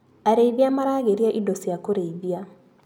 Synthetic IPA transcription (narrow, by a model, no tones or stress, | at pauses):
aɾeiβiamaɾaːɣeɾjaʔidosijakoɾeiβja